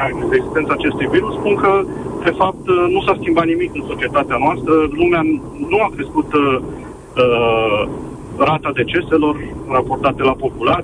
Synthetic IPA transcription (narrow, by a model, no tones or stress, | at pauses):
ed̪eɡzist̪nt̪saːt͡ʃe̞st̪ujviɾusspunkəd̪̥e̞fap̚t̪nusaskʲimbat̪nimikɨnso̞t͡ʃie̞t̪at̪eanoast̪ɾəlumea | nuakɾe̞skut̪ | ə | rat̪ad̪e̞t͡ʃe̞se̞lo̞rrapo̞rt̪at̪e̞lapo̞pula